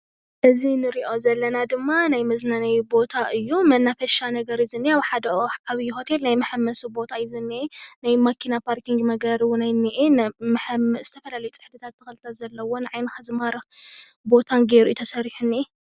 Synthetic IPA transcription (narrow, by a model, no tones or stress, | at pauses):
ʔɨzinɨɾiʔo̞zɐlːɐnad̪ɨmːanajmɐznanɐjbo̞t̪ʰaʔɨjːumɐnːafɐʃanɐɡɐɾjɪzɨnːiaβħad̪ɐaβjɪho̞t̪ʰelnajmɐħamːɐsubo̞t̪ʰajɪzɨnːienajmakʰinapʰaɾkʰiŋɡmɐɡɐɾiwʊnajnːiʔenmɐħamz̥ɨt̪ʰɐfɐlalɐjut͡sʼɨ̥ħd̪ɨt̪ʰat̪ːɨxɐlɨt̪ʰazɐlːɐwo̞nɨʕajnɨhazmaɾbo̞t̪ʰanɡeɾuit̪ʰɐsɐɾiħunːi